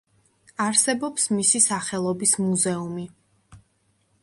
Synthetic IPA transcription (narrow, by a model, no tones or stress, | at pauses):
aɾsɛbɔpsmisisaχɛlˠɔbismuzɛumi